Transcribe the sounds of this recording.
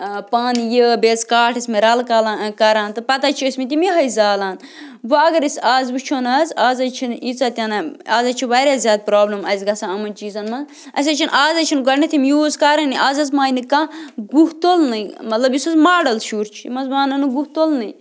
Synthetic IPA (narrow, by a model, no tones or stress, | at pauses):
paːnjəbeːt͡skaːʈʰismeɾɐlkɐlãːkɐɾaːnt̪ɨpɐt̪at͡ʃʰiɐsʲmit̪̬ʲimiɦɐjzaːlaːnʋɐɐɡɐɾisaːzbɨt͡ʃʰonɐzaːzɐt͡ʃʰinit͡saːt̪ʲanɐaːzɐt͡ʃʰiʋaːɾʲjaːzʲaːd̪̚pɾoːblɐmɐzʲɡɐsaɐmɐnt͡ʃiːzɐnmɐ | ɐ̰s̬ʲɐt͡ʃʰinʔaːzɐt͡ʃʰinɡɐɾnit̪ʰimjuːzkaɾɐniaːzɐzmaːinikãɡuɦt̪olnɐmɐt̪lɐbjisuzmaːɖɐlʃuːɾt͡ʃʰimɐzbaːnɐnɨɡuht̪olnɨj